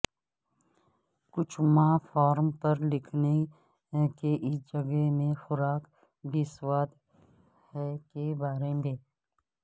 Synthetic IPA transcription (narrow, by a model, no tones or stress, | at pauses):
kʊt͡ʃʰmãːfɔːɾmpɐɾlɪkʰne | keʔɪsd͡ʒɐɡemẽxʊɾaːk | bɪswaːt̪ | hɛkebaːɾemeː